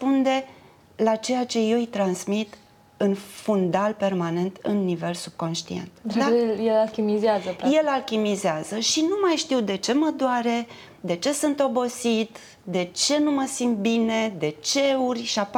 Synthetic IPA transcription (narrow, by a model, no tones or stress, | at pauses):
pund̪e̞ | lat͡ʃe̞jat͡ʃe̞je̞wit̪ɾansmit̪ | ɨnfund̪alpe̞rmane̞nt̪ɨ̰nːive̞lsub̥̚ko̞nʃt̪ie̞̰nt̪d̪d̪ajelalkʲimizeazəje̞lalkʲimizeazəʃinumajʃt̪iwd̪e̞t͡ʃe̞məd̪oaɾe̞ | d̪e̞t͡ʃe̞sɨnt̪o̞bo̞sit̪ | d̪e̞t͡ʃe̞numəsimt̪̚bine̞d̪e̞t͡ʃe̞urʲʃiap